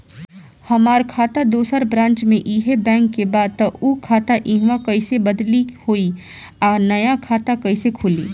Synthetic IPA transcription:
hɐmaːɾkʰaːt̪ad̪oːsəɾbɾãːnt͡ʃmẽʔiːɦebɛ̃ːŋkːebaːd̪̚t̪ɐuːkʰaːt̪aʔĩɦʋãkɐɪsebɐd̪lihoːi | aːnɐjakʰaːt̪akɐɪsekʰʊlḭː

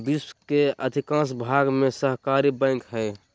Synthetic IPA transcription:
biswkeəd̪ʱikãsbʱaɡmesəɦkaɾibə̃ɪŋkɦɛj

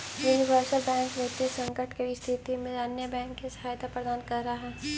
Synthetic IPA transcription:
juːnɪʋəɾsəlbɛ̃ːŋkʋet̪esɐ̃ŋkəʈkeist̪ʰɪt̪imẽɐnjəbɛ̃ːŋkːisɐ̥ɦaːjt̪ʰapɾəd̪aːnkɐɾːɦaɦɛː

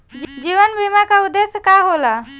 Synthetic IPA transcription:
d͡ʒd͡ʒiːʋənbʱimakaʊd̪ːeskaɦola

